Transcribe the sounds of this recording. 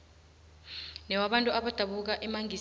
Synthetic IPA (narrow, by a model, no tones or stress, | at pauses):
nɛwaɓantʼuaɓad̥ʱaɓuk̬aʔɛmaŋi